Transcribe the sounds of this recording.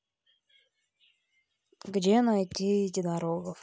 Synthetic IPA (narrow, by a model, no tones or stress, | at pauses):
ɡdʲenɐjtʲitʲɪd̪ɐɾoɡəf